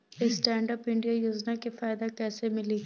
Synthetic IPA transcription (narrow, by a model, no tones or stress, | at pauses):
esʈɛ̃ːɳɖəpɪ̃ɳɖijajuːznakefaːɪd̪akɛːsemɪli